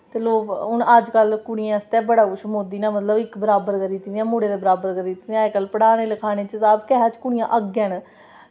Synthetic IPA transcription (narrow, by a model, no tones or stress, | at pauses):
t̪eːloːkʊnəd͡ʒkəlkʊɳɪjãːst̪ɛːbəɽaːkʊʃmoːd̪iːnaːmət̪ləbɪkbəɾaːbəɾkəɾiːt̪ind̪ijãːmuːɽeːd̪eːbəɾaːbəɾkəɾit̪ːnd̪jãːkəlpəɽaːneːləkʰaːneːt͡ʃəsaːbkɛːɦaːt͡ʃkʊɳɪjãːʔəɡjãːn